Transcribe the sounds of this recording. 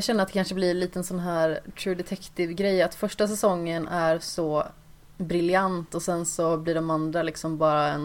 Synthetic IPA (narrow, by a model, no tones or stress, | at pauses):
ɕɛnːəɾat̪d̪ɛkanʂəblɪɾliːt̪ənsɔnɦæːɾt̪ʰɾuːd̪ɛt̪ʰɛkt̪ɪvɡɾɛjːat̪fœʂʈasɛsɔŋːənæɾsɔ | bɾɪljant̪ɔsɛnsɔblɪɖɔmand̪ɾalɪksɔmbɑːɾaɛn